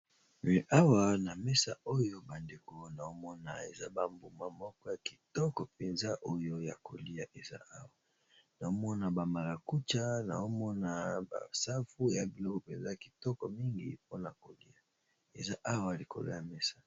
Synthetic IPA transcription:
ɛ˨ʔa˦wa˦na˨mɛ˦sa˦˨o˦jo˦ba˨nde˨ko˨na˨o˦mɔ˦na̰˨ḛ˨za˦ba˨mbu˨ma˦mɔ˦kɔ˦ja˨ki̥˨tɔ˦kɔ˨pe˨nza˦ʔo˦jo˦ja̰˨ko˨li˦a˨ʔe˨za̰˦a˦wa˨ | na˨o˦mɔ˦na˨ba˨ma˨la˨ku˦t͡ʃa˦na̰˨o˦mɔ˦na˨ba̰˨sa˦fu˦ja˨bi˨lɔ˦kɔ˨pe˨nza˦˨ki̥˨tɔ˦kɔ˨mi˦ŋɡḭ˨po˦na˨ko˨li˦a˨ | ḛ˨za˦ʔa˦wa˨li˨ko̰˨lo̰˦ja˨mɛ˦sḁ˦

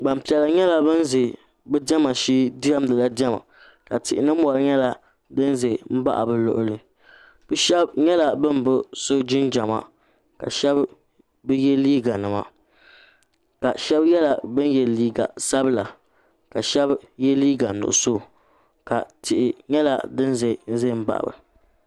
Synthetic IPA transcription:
ɡ͡ba˨m˨pi˨ɛ˨lɨ˨ɲɛ˦la˦bɨ˦n˦zɪ˨ | bɨ˦dɛ˦ma˨ʃiː˦da˦m˦dɨ˨la˦dɛ˦ma̰˨ | ka˨tɪ˨ʔɪ˨nɨ˦m̩˦ɔ˨lɨ˦ɲɛ˦la˦ | dɨ˦n˦ze˨m̩˦ba̰˦ʔa̰˨bɨ˦lʊ̰˦ʔʊ˦lɨ˨ | b̥ɨ˦ʃɛ˦bɲɛ˦la˨bɨ˦m˦bʊ˦so˦d͡ʒɪ˦nd͡ʒa˨ma̰˨ | ka̰˨ʃɛ˦b | bɨ˦jɛ˦liː˦ɡa˨nɨ˨ma̰˨ | ka˨ʃɛ˦bjɛ˦la˨bɨ˦n˦jɛ˨liː˦ɡa̰˨sa˦bla˨ | ka˨ʃɛ˦bjɛ˦liː˦ɡa˨nʊ̰˨ʔʊ˨so˦˨ | ka˨tɪ˨ʔɪ˨ɲɛ˦la̰˨dɨ˦n˦ze˨n̩˦ze˦˨m̩˦ba̰˦ʔa̰˨bɨ̰˨

